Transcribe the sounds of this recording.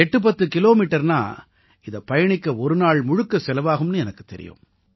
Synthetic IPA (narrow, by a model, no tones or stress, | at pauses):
ɛʈːɯp̬ɐt̪ːɯkɪloːmiːʈːɐɾna̰ː | ɪðɐpɐjɐɳɪkːɐɔɾɯnaːɭmʊɻɯkːɐsɛlɐʋaːɣɯmnɯɛnɐkːɯ̥t̪ːɛ̰ɾɪ̰jõ̰m